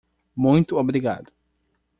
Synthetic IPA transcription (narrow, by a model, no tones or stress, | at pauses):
mũj̃t̪ʊobɾiɡa̰d̪ʊ